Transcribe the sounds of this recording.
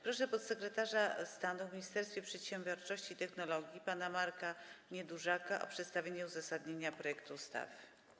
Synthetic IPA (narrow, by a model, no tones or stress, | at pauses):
pɾɔʂɛpɔt̪sɛkɾɛt̪aʐast̪anuvmʲiɲist̪ɛɾst̪fʲjɛpʂɛt̪ɕɛmʲbʲjɔɾt͡ʂɔɕt͡ɕiːt̪ɛxnɔlɔɡʲjipanamaɾkaɲɛd̪uʐakaʔɔ̰pʂɛt̪st̪avʲeɲɛuzasad̪ɲeɲapɾɔjɛkt̪ust̪a̰f